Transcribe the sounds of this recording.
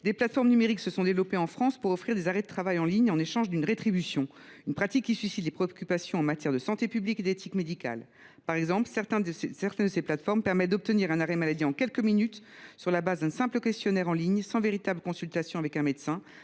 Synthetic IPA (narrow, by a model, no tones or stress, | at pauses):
d̪eplat̪fɔʁmnymeʁiksəsɔ̃d̪evlɔpeɑ̃fχɑ̃spuʁɔfχiʁd̪ezaʁɛd̪ət̪χavajɑ̃liɲɑ̃neʃɑ̃ʒd̪ynʁet̪χibysjɔ̃ | ynpχat̪ikʲːisɥisit̪lepχeɔkʲypasjɔ̃ɑ̃mat̪jɛʁd̪əsɑ̃t̪epybliked̪et̪ʰikmed̪ika̰l | paʁɛɡzɑ̃plsɛʁt̪ɛ̃sɛʁt̪ɛnd̪əseplat̪fɔʁmpɛʁmɛt̪̚d̪ɔp̚t̪əniʁɛ̃naʁɛmalad̪iɑ̃kʲɛlkəminyt̪ | syʁlabazd̪ɛ̃sɛ̃pləkʲɛst̪jɔnɛʁɑ̃liɲsɑ̃veʁit̪abləkɔ̃sylt̪asjɔ̃avɛkɛ̃met̪sɛ̃